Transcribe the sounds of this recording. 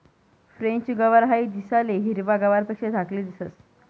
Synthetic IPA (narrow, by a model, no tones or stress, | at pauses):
fɾẽɲt͡ɕɡəʋaɾɦaid̪isaleɦiɾʋaɡəʋaɾpekɕed͡z̪ʱakliːd̪isəs